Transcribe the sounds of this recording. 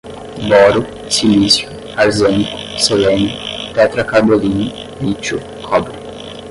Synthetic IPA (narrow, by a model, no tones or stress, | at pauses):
bɔːɾu | silisju | aɾzɛnikusolɛnut̪ɛt̪ɾakaɾd̪oliːni | lit͡ʃːu | kʰɔbɾi